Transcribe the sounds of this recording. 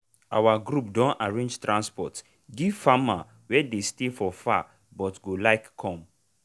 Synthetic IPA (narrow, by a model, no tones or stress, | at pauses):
a̰waɡɾup̚dɔ̃naɹẽnd͡ʒtɹãnspɔ̰t | ɡifama | wɛdestefɔfa̰ | bɔtɡolaɪkkʰːɔ̃m